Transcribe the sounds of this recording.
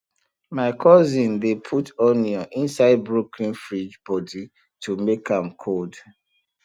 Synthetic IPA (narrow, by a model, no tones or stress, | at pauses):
maɪkʰɔzĩndepʰutɔniɔ̃ʔĩnsaɪd̚bɹokʰlĩnfɹid͡ʒbɔdi | tʰumekʰãmkʰold